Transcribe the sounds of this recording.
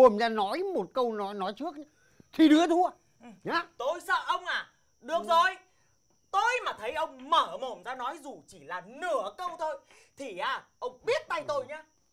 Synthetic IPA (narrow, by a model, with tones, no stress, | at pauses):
o˨˩mzaː˧nɔ˨˦jmo˨˩t̚kə˧wnɔ˨˦jnɔ˨˦jt͡ɕɨ˦˥ək̚ | xi˧ɗɨ˨˦ət̪ʰu˧ə | ɲa˨˦t̪o˧jsə̰ː˧˨ʔə˧wŋ͡mʔaː˨˩ | ɗɨ˨˩ək̚zo˨˩j | t̪o˧jmaː˨˩t̪ʰə˨˦jʔə˧wŋ͡mməː˧˩mo˨˩mzaː˧nɔ˨˦jzu˨˩t͡ɕi˧˩laː˨˩nɨ˧˩əkə˧wt̪ʰo˧j | t̪ʰi˨˩ʔaː˨˩ʔə˧wŋ͡mɓi˦˥ət̚t̪a˧jt̪o˧jɲaː˨˧˦